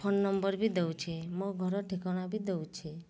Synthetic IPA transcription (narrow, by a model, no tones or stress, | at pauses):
pʰonːɔmbɔɾbid̪ewt͡ʃʰemoɡʱɔɾɔʈʰekɔɽ̃abʱid̪ewt͡ʃʰe